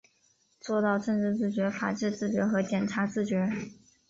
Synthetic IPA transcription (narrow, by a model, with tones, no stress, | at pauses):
t͡swɔ˥˧t̪ɑ˥˧ʊʈ͡ʂɤ˥˧ŋʈ͡ʂɻ̩˥˧t͡sɹ̩˥˩t͡ɕɥɛ˧˥fa̰˨˩ʈ͡ʂɻ̩˥˧t͡sɹ̩˥˩t͡ɕɥɛ˧˥xɤ˧˥t͡ɕjɛ˨˩nʈ͡ʂʰa˧˥t͡sɹ̩˥˩t͡ɕɥɛ˧˥